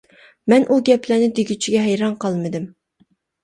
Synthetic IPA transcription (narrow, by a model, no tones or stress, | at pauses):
mɛnʔuɡʲɛplænɪd̪eɡʲyt͡ʃʰiɡʲɛɦɛjɾɑnqʰɑlˠmɨd̪ɪm